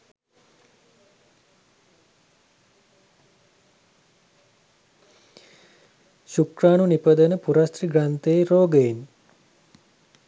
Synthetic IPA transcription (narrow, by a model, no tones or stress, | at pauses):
ʃukraːnunipəd̪ənəpuɾast̪riɡɾant̪eːɾoːɡəin